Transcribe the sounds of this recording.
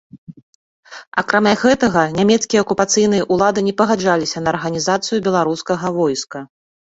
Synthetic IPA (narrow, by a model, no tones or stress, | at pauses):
a̰kɾamʲaɣɛt̪ɐɣɐnʲamʲɛt̪skʲijɐɐkupat̪sɨjnɨjɐʔulˠad̪ɨnʲɛpɐɣad͡ʐalʲisʲɐnɐːrɣɐnʲizat̪sɨjubʲɛlˠaɾuskɐɣɐvɔjskɐ